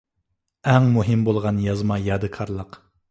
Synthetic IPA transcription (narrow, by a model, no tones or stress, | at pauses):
ɛŋmuɦɪmbolˠʁɑnjɑzmɑjɑːd̪ɨkʰɑɾlˠəq